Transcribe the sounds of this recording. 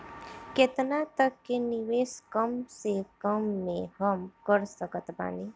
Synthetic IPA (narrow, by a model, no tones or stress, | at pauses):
ket̪nat̪əkːeniʋeːskəmsekəmːẽhəmkəɾsəkət̪ba̰ːni